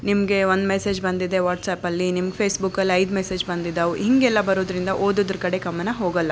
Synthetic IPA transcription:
nimɐɡe̞ond̪mese̞ːd͡ʒbɐnd̪id̪e̞ʋaːʈsaːpɐlːinimɐɡepʰeːsbukːɐlːiɐjd̪mese̞ːd͡ʒbɐnd̪id̪ːɐʋuɦiŋɡɛlːɐbɐɾoːd̪ɾind̪ɐʔoːd̪ud̪ɾkɐɽe̞kɐmːɐnɐɦoːɡɐlːɐ

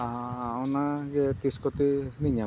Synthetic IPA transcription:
aɔnaɡɛt̪iskɔt̪iniɲa

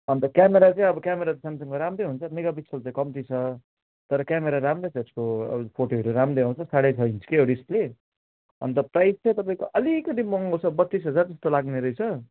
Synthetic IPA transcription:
ʌnt̪ʌkjameɾat͡sãĩʌbʌkjameɾat̪sansʌŋkoɾamɾejɦunt͡sʰʌmeɡabit͡sʰʌlt͡sãĩkʌmt̪it͡sʰʌ | t̪ʌɾʌkjameɾaɾamɾet͡sʰʌeskoʌ̰pʰoʈoɦʌɾuɾamɾejɦãw̃t͡sʰʌsaɽet͡sʰʌint͡sʰu̥keoɽisʈle | ʌ̰nt̪ʌprajst͡sʰʌj̃t̪ʌpaĩkoʔʌlikʌt̪̬imʌŋʌt͡sʰʌbʌt̪ːis̬ɦʌd͡zard͡zʌst̪olaɡneɾʌjt͡sʰʌ

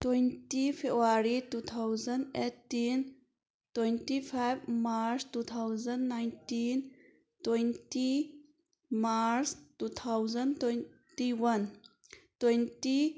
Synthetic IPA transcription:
twejntipʰebaɾitut̪ʰawzəndetːin | twejntipʰajbmaɾstut̪ʰawzənːajntin | twejnti | maɾstut̪ʰawzənton | tiwɐn | twejnti

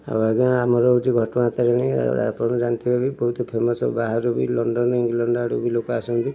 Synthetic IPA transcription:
a̰baɡaamɔɾɔud͡ʒiɡʱɔʈɔmaat̪aɾeɽ̃ḭa̰pɔnd͡ʒant̪ibʱabibɔɦut̪ɔpʰemɔsɔ̰baɦaɾubilɔɳɖɔnɔiŋɡlɔɳɖaɽubilokɔasɔnt̪i

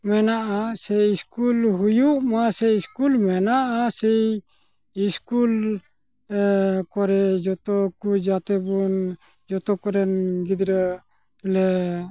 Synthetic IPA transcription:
mɛnaʔasɛiskulɦujuʔmasɛiskulmɛnaʔasɛj | iskul | kɔɾɛd͡ʒɔt̪ɔkud͡ʒat̪ɛbun | d͡ʒɔt̪ɔkɔɾɛnɡid̪ɾə | lɛ

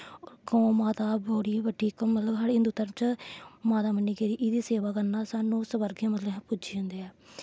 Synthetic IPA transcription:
oɡə̃maːt̪aːboːɽiːʋəɖiːkəmət̪ləbɦaːɽɦɪnd̪uːt̪əɾəmt͡ʃəmaːt̪aːmənːiːkeːɾiːʔɪd̪iːseːʋaːkəɾnaːsaːnːũːsəbəɾɡemət̪ləbɦpʊd͡ʒiːõːnd̪eːɛː

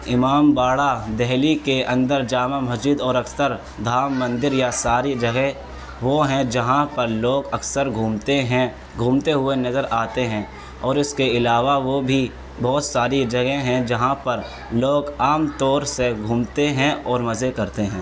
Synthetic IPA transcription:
ɪmaːmbaːɽad̪ɛɦlikeʔɐ̃nd̪əɾd͡ʒaːmamɐsd͡ʒɪd̪ɔːɾɐksəɾ | d̪ʱaːmːɐ̃nd̪ɪɾjasaːɾid͡ʒɐɡe | ʋoɦɛ̃d͡ʒɐɦãpɐɾloːɡɐksəɾɡʱuːmt̪eɦɛ̃ | ɡʱũːmt̪eɦʊenɐzəɾʔaːt̪eɦɛ̃ː | ɔːɾɪskeɪlaːʋaʋobʱi | bɔːt̪saːɾid͡ʒɐɡeɦɛ̃d͡ʒɐɦãpɐɾ | loːɡaːmt̪ɔːɾseɡʱũːmt̪eɦɛ̃ɔːɾmɐzekɐɾt̪eɦɛ̃ː

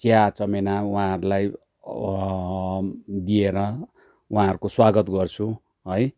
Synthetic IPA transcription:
t͡sjat͡sʌmenawãʌɾulaj | d̪ieɾʌ | uɦãɦʌɾukoswaɡʌt̪ɡʌrt͡sʰu | ɦʌj

